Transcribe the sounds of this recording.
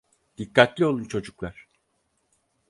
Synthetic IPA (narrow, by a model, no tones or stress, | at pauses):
d̪̥ikːat̪lʲio̞lˠunt͡ʃʰo̞d͡ʒuklˠaɾ̥